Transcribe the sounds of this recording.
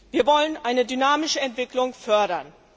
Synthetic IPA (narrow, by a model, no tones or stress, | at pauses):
viːɐvɔlənʔaɪnədynaːmɪʃəɛntv̥ɪklʊŋfœɐɾɐn